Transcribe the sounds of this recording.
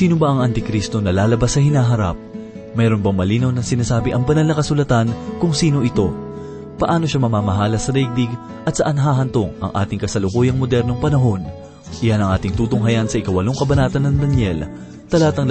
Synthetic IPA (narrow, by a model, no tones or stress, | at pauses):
siːnobaʔɐŋʔɐnt̪ɪkɾist̪o̞nɐlaːlɐbasːɐhɪnaːɦɐɾa̰p̚ | mɛːɾo̞nbɐŋmɐliːnɐwnɐsɪnaːsaːbɪʔɐŋpɐnalnɐkɐsʊlɐt̪ankʊŋsiːno̞ʔɪt̪o̞ | pɐʔaːno̞ʃamɐmaːmɐɦaːlɐsɐd̪ɛɡ̚d̪iɡ | ʔɐt̪sɐʔɐnɦaːɦɐnt̪o̞ŋʔɐ̰ŋʔa̰ːt̪ɪŋkɐsɐlʊkuːjɐŋmod̪ɛɾno̞ŋpɐnɐɦo̞n | ʔɪjanɐŋʔaːt̪ɪŋt̪uːt̪ʊŋɦɐjɐnsɐʔɪkɐwɐlo̞ŋkɐbɐnaːt̪ɐnːɐŋd̪ɐnjɛl | t̪ɐlaːt̪ɐŋ